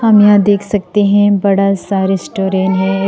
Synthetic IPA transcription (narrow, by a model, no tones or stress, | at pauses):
hɐmjãd̪eːkʰsɐk̚t̪eɦɛ̃bɐɽasaːɾesʈoːɾeːnɦɛ